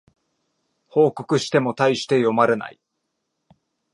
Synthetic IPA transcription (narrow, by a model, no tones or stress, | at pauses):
ho̞ːko̞kɯ̟ɕi̥t̪e̞mo̞t̪aiɕi̥t̪e̞jo̞maɾɯna̰i